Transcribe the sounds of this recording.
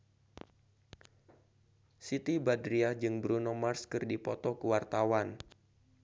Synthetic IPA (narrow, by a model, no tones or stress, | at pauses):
sit̪ibadɾiad͡ʒɨŋbɾunɔmarskɨrdipɔt̪ɔkəwart̪awan